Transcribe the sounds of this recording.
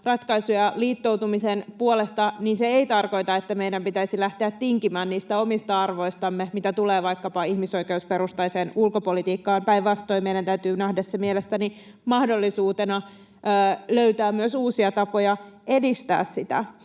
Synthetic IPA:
rɑt̪kɑisujɑliːt̪ːouwt̪umisenpuole̞st̪ɑninseeit̪ɑrko̞jt̪ɑet̪ːæmejdæmpit̪æisilæht̪eæt̪ːiŋkimæːnniːst̪æo̞mist̪ɑɑrʋo̞ist̪ɑmːemit̪æt̪uleːʋɑjkːɑpɑihmiso̞ike̞uspe̞ɾust̪ɑjseːnulko̞po̞lit̪iːkːɑːmpæjʋʋɑst̪o̞imejdænt̪æyt̪yːnæhdessemielest̪æni | mɑhdo̞lːisuːt̪enɑː | løyt̪æːmyøsuːsiɑt̪ɑpo̞jɑʔe̞dist̪æ̰ːssit̪æ̰

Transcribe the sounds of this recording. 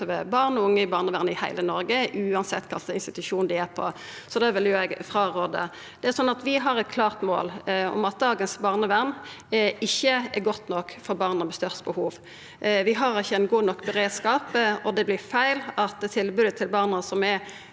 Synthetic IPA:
əʋəbɑʁnʊŋːəɪbɑːʁnəʋæʁnəɪhæ̰ɪlənɔɾɡəʔʉːɑnsɛt̪ːkʰɑlt̪əɪnst̪ɪt̪ʉʂuːnd̪ɪæpʰɔ̰ | sɔd̪ɛʋɪljʊɛɡfʁɑʁoːd̪ə̰ | d̪ɛæɾsɔnːɑt̪ʋɪɦɑʁɛt̪̚kʰlɑːʁt̪mo̰ːlɔ̰mɑt̪̚d̪ɑːɡənsbɑːʁnəʋæʁnɪçːəɛɾɡɔt̪ːnɔkːfɔɾbɑːʁnəmɛst̪œʁst̪bəhuːʋ | ʋɪɦɑɾɪçːəɛnɡuːnɔkːbəʁeːd̪skɑːpɔd̪ɛblɪɾfæɪlɑt̪t̪ʰɪlbʉːd̪ət̪ʰɪlbɑːʁnəsɔmɛ

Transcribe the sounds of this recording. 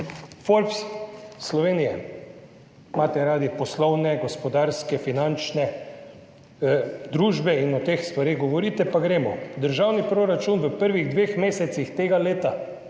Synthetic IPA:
folpsslɔʋeːnijɛ | maːt̪ɛɾaːd̪ipɔslɔwnɛɡɔspɔd̪aːɾskɛfinant͡ʃnɛ | d̪ɾuːʒbɛinɔt̪eːxst̪ʋaɾeːɣɡɔʋɔɾiːt̪ɛpaɡɾeːmɔd̪əɾʒawnipɾoɾat͡ʃunʋəpəɾʋiɣd̪ʋeːxmeːsɛt̪sixt̪eːɡaleːt̪a

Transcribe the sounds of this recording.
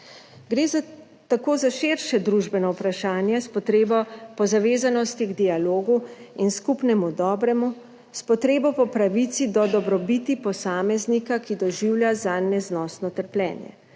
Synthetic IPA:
ɡɾeːz | t̪akoːzaʃeɾʃɛd̪ɾuʒbɛnɔwpɾaʃaːnjɛspɔt̪ɾeːbɔpɔzaʋeːzanɔst̪iɡd̪ialoːɡuinskupnɛmud̪ɔːbɾɛmu | spɔt̪ɾeːbɔpɔpɾaʋit̪sid̪ɔd̪ɔbɾɔbit̪ipɔsaːmɛznikakid̪ɔʒiwljazanɛznɔːsnɔt̪əɾplʲɛ̰ːnjɛ̰

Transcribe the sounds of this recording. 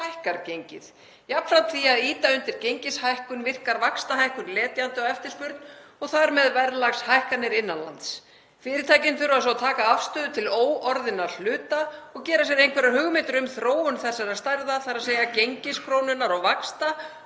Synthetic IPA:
ajhkaɾcejɲcɪ̰ð | japnfɾawt̪θiaðiːt̪aʏnt̪ɪɾ̥cejɲcɪshajhkʏnvɪr̥kaɾvakst̪aɦajhkʏnlɛːt̪jant̪ɪɔɣɛft̪ɪɾspʏɾt̪nɔɣθaɾmɛðvɛɾlaɣshajhkanɪɾɪnːanla̰nt̪s | fɪːɾɪɾt̪ʰaːjcɪnθʏɾʏvasat̪ʰaːkaafst̪ʏːðʏt̪ʰɪloːwɔɾðɪnaɾl̥ʏːt̪aɔɣcɛːɾas̬ɛɾejnkvɛɾahʏɣmɪːt̪ʏɾʏmθɾoːwʏnθɛsːaɾaðst̪ajɾðaθaɾaðseːjacejɲcɪskʰɾoːwnʏnaɾɔɣvakst̪a

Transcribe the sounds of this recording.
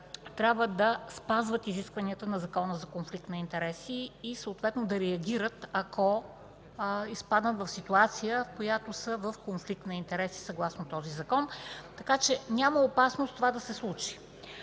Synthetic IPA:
t̪ɾʲabvəd̪ɐspazvət̪iziskvɐniət̪ənɐzɐkɔnəzɐkonflik̚t̪nɐint̪ɛɾɛsiːsəːt̪vɛt̪nod̪ɐɾɛɐɡʲiɾət̪ɐkʰɔ | ispad̪nət̪vɐfsit̪uat̪sijəfkojat̪osəvəfkonflik̚t̪nɐint̪ɛɾɛsi̥sɐɡlˠasnot̪ɔzizɐkɔnt̪ɐkat͡ʃɛnʲaməopasnost̪ovad̪ɐsɛslˠut͡ʃi̥

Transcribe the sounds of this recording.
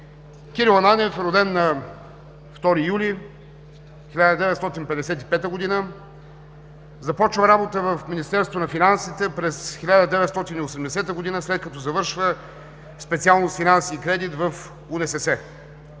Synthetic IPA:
kʲiɾilˠɐnanʲɛfɾod̪ɛnːɐ | ft̪ɔɾijuli | xilʲad̪əd̪ɛvɛt̪st̪ɔt̪inpɛd̪ɛsɛt̪ipɛt̪əɡod̪inə | zɐpɔt͡ʃvəɾabot̪əvəfminist̪ɛɾst̪vonɐfinansit̪ɛpɾɛsxilʲad̪əd̪ɛvɛt̪st̪ɔt̪iniosɛmd̪ɛsɛt̪əɡod̪inəslɛt̪̚kɐt̪ɔzɐvɤɾʃvə | spɛt̪sialˠnʊst̪finansiːkɾɛd̪it̪vəf | unɛsɛsɛ

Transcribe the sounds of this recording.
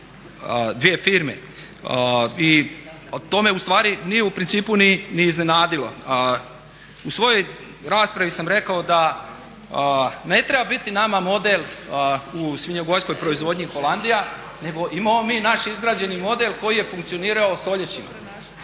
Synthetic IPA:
d̪ʋije̞fiːɾme̞̰ | i | t̪o̞me̞ust̪ʋaːɾinijeupɾint̪siːpuniniːzne̞naːd̪ilo̞ | usʋo̞jo̞j | ɾaːspɾaʋisamɾe̞kao̞d̪a | ne̞t̪ɾe̞babit̪inamamo̞d̪e̞l | usʋʲiɲoɡo̞jsko̞jpɾo̞izʋo̞d̪ɲixo̞land̪ija | ne̞ɡo̞ʔimamomiːnaʃizɡɾaːd͡ʑe̞nimo̞d̪e̞lko̞jije̞fuŋkt̪sio̞niːɾaost̪o̞ʎe̞t͡ɕim

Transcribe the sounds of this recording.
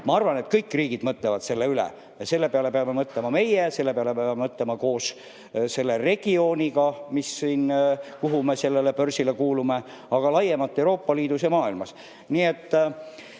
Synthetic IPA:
mɑɑrvɑne̞t̪kɤjkːˑriːɡ̥id̪mɤt̪ˑlevɑd̪̥se̞lːe̞ylḛ | jɑse̞lːe̞peɑle̞peɑmːe̞mɤt̪ˑle̞mɑme̞jese̞lːe̞peɑle̞peɑɑmemɤt̪ˑle̞mɑko̞ːs | se̞lːe̞re̞ɡ̥io̞ːnʲiɡɑmisːiːnkuɦume̞se̞lːele̞pø̞rsilekuːlume̞ | ɑɡ̥ɑlɑjemɑt̪ːˑewɾo̞ːpːɑliːd̪usjɑmɑːilmɑs | niet̪ː

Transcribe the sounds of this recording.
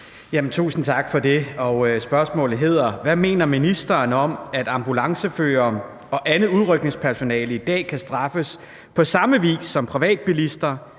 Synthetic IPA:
jæmn̩t͡sʰṵːsn̩t͡sʰɑ̈ɡ̥fɒ̽d̥e̝ɒ̽sb̥ɶɐsmɔ̰̽ːlð̩ˠɦe̝ð̰ˠɐʋæme̝̰ːnɐminisd̥ɐːnɒ̽mæd̥ɑ̈mb̥ulɑ̈ŋsəfø̰ːɐm | ɒ̽ʔænð̩ˠuð̞ˠʁœɡ̥ne̝ŋspʰæɐso̝nɛ̰ːləid̥ɛ̰ːkʰæsd̥ʁɑ̈fəs | pʰɒ̽sɑ̈məʋḭːsːɒ̽mpʰʁiʋɛ̰ːd̥̚b̥ilisd̥ɐ

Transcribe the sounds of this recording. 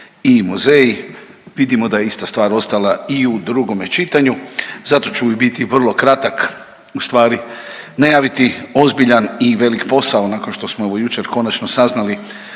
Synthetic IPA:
imuzejiʋid̪imo̞d̪ajeist̪ast̪ʋaːɾo̞st̪alaiud̪ɾuɡomet͡ʃit̪aɲuzat̪o̞t͡ʃuibit̪iʋr̩lˠo̞kɾat̪ak | ust̪ʋaːɾi | najaːʋit̪io̞zbiʎaniʋe̞likpo̞saonakonʃt̪o̞smoeʋo̞jut͡ʃe̞ɾko̞nat͡ʃnosaznali

